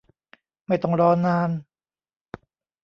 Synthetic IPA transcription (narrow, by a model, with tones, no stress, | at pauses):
ma˥˩jt̪ɔ˥˩ŋɾɔː˧˥naː˧˥n